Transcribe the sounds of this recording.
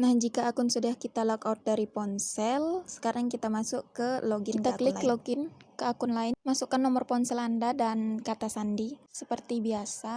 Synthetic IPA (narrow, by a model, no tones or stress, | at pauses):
nahd͡ʒikaːkʊnsudahkit̪alɔkaʊt̪̚daɾipɔnsɛlsə̥kaɾaŋkit̪amasʊkəloɡɪit̪aklɪkloɡɪnkəakʊnlaɪnmasukanːɔmɔrpɔnsɛlandadankat̪asandisəpərt̪ibiasa